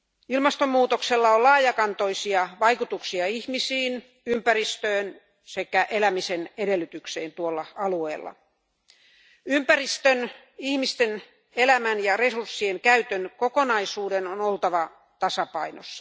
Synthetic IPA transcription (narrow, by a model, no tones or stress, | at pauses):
ilmɑst̪omːuːt̪okselːɑolɑːjɑkɑnt̪oisiɑʋɑikut̪uksiɑihmisiːn | ympærist̪øːn | sekæʔelæmisenedelːˑyt̪ykseːnt̪uolːɑɑlueːlːɑ̰ | ympærist̪øn | ihmist̪en | elæmænjɑresursːieŋkæyt̪ønkokonɑisuːdenonolt̪ɑʋɑ | t̪ɑsɑpɑino̰sːɑ